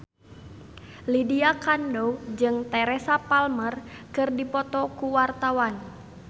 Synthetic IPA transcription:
lidiakandod͡ʒɨŋt̪ɛɾɛsapalmərkɨrdipɔt̪ɔkuwart̪awan

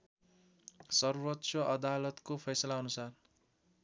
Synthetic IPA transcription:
sʌrwʌtːsʌʔʌd̪alʌt̪kopʰʌjsʌlaʌnusar

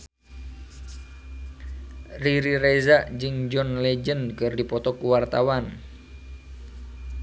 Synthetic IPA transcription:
riɾiɾɛzaʔd͡ʒɨŋd͡ʒɔnlɛd͡ʒənkɨrdipɔt̪ɔkuwart̪awan

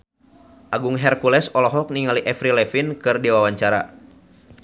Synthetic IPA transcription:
ʔaɡuŋɦɛrkulɛsɔlɔɦɔk̚niŋaliʔɛfɾilɛfinkɨrdiwawaɲt͡ʃaɾa̰

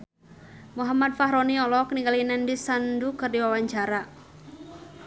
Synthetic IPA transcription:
muɦamadfaɦɾɔniɔlɔkniŋɡalinɛndisandukɨrdiwawaɲt͡ʃaɾa

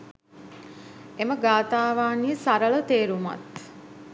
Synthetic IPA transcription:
eməɡaːt̪aːʋaːnisaɾələt̪eːɾuma̰t̪

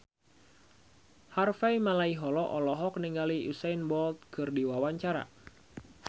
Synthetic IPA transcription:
harfaimalaiɦɔlɔʔɔlɔɦɔkniŋɡaliusajnbɔlt̪̚kʰɨrdiwawaɲt͡ʃaɾa̰

